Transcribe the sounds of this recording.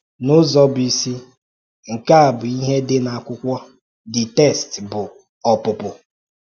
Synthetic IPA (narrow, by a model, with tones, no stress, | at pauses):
nʊ˦zɔ˦bi˨si˦ | ŋ̩˨ka˦a˨bʊ˨i˦ɦe˦dɪ˦na˨a˨kʷʊ˦kʷɔ˦ | dɪ˨te˦˨stbʊ˨ | ɔ˨pʊ˨pʊ˨